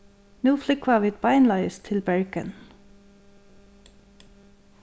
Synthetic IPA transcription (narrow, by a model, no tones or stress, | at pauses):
nuːflʏkʋɑʋiːt̪̚bɑɪnlɑɪst̪ʰɪlbæɹkə̰n